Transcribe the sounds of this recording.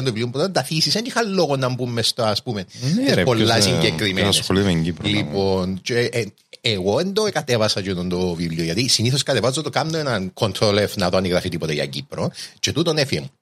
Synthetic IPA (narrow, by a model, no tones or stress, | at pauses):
nd̪oiliompɾt̪ɐnd̪ɐθisisenixɐlloɣonːɐmbumːest̪oɐspumennsepolːasiɲɟekɾimensesxsolit̪meɲɟipɾlipont͡ʃeː | ɣoend̪okɐt̪evɐsɐt͡ʃienond̪ovivlioʝɐt̪isiniθoskɐt̪evɐzot̪okanːoenɐnkʰo̞nt̪ʰɾolefnɐt̪oɐniɣɾɐfit̪ipot̪eʝɐ̰ɟḭpɾot͡ʃet̪ut̪onefiḛmu